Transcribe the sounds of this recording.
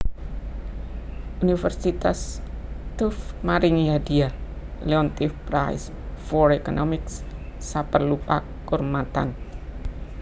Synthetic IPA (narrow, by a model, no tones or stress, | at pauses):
ʔunifərsit̪ast̪ufmaɾiŋjadialeɔnt̪ifpɾajs | fɔrɛkɔnʔɔmɪks | sapərlupa | kurmat̪a̰n